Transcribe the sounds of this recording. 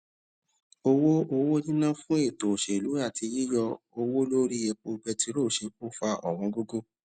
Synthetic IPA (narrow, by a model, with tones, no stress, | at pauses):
o˧wo˦o˧wo˦nĩ˦nã˦fũ˦e˦˨to˨ʃe˨lu˨˦a˦˨ti˧ji˦jɔ˧ | o˧wo˦lo˦ɾi˦e˧˨k͡po˧ɡ͡bɛ˧ti˧ɾo˦˨ʃe˧k͡po˦fa˧ʔɔ̰˨w̃ɔ̃˧ɡo˦ɡo˦˨